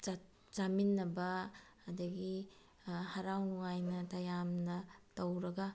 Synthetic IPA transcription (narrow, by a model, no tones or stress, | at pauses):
zaminːɐbɐː | dɐɡi | hɐɾawnuŋajnɐtajamnɐtɐwɾɐɡɐ